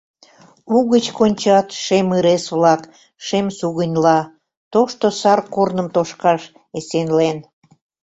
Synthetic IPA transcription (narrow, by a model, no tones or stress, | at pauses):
uɣət͡ɕkonʲt͡ɕɑt̪ʃemɨɾesβlɑk | ʃemsuɣənʲlɑ | t̪oʃt̪osɑrkornəmt̪oʃkɑʃ | esenlen